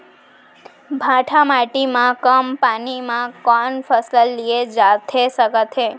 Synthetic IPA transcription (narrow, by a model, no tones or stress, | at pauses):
bʱãʈʰamaʈimãkəmpanimãkɔnfəsləlːied͡ʒat̪ʰesəkət̪ʰe